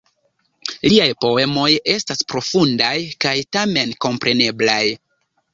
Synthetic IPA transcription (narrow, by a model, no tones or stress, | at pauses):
liajpo̞e̞mo̞je̞staspɾo̞fundajkajtame̞nko̞mpɾe̞ne̞blaj